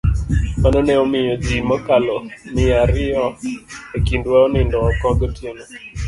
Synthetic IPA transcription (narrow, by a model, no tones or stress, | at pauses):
manɔnɛɔmɪjɔd͡ʒimɔkalɔnɪaɾɪɔekindwaɔnɪndɔːkɔɡɔtʰenɔ